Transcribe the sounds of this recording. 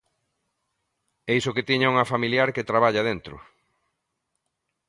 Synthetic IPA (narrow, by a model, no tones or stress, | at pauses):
eisʊket̪iɲauŋɐfamiljaɾket̪ɾaβaʎað̞ent̪ɾʊ̰